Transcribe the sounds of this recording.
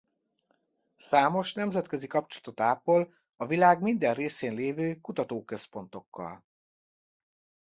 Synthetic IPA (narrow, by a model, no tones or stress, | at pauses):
saːmo̞ʃnɛmzɛt̪køzikɒpt͡ʃolɒ̥t̪o̞t̪aːpol | ɒvilaːɡmind̪ɛnreːseːnleːvøːkut̪ɒt̪oːkø̞spo̞n̪t̪o̞kːɒ̰l